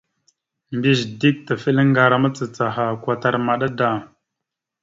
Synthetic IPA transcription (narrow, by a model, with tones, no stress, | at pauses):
mbi˦zdi˦k̚ta˨fi˦lŋ˦ɡa˨ɾa˨ma˦t͡sə˨t͡sa˨ɦa˨kwa˨ta˨ɾma˨ɗa˦da˨